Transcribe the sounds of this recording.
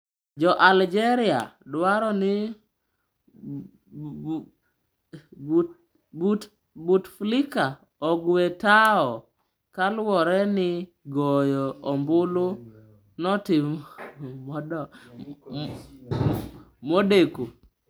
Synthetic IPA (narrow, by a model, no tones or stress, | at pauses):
d͡ʒɔʔald͡ʒɛɾɪa̰dwaɾɔnɪ | bt | butflɪka | ɔɡwetaɔ | kalwɔɾɛnɪ | ɡɔjɔɔmbʊlʊ | nɔtɪm | modeku